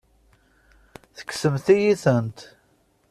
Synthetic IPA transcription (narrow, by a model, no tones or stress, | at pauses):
θə̥kːsəmθijiθənt̪